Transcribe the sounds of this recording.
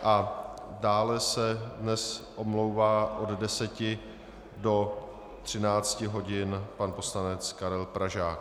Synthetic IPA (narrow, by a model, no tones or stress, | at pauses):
ʔadaːlɛsɛdnɛsʔomlowvaːʔo̞ddɛsɛcɪ | do̞ | t̪r̝̥ɪnaːt͡scɪɦo̞ɟɪnpanpo̞slanɛt͡skaɾɛlpɾaʒaːk